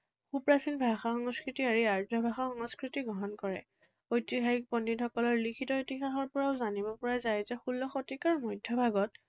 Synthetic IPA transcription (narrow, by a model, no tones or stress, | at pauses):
xupɹasinbʱaxaxɔŋskɹitiaɹiaɹzɔbʱaxaxɔŋɔskɹitiɡɹɔɦɔnkɔɹɛ̰ | ojtiɦaɦik̚pɔnːitxɔkɔlɔɹlikʰitɔitixaxɔɹpɔɹaʊzanibɔpɔɹazajzɛxulːɔxotikaɹmɔjdʱːɔbʱaɡɔt̚